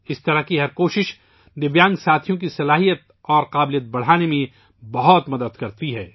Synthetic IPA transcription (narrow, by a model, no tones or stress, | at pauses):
ɪst̪ɐɾakiɦɐɾkoːʃɪʃ | d̪ɪbjãːŋɡsaːt̪ʰijõkisɐlaːɦijət̪̚ | ɔːɾqaːblijət̪̚bɐɽ̤aːnemẽ | bɐɦɔt̪mɐd̪əd̪kɐɾt̪iɦɛː